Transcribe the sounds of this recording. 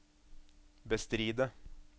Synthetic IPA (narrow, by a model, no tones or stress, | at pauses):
bəst̪ɾiːd̪ə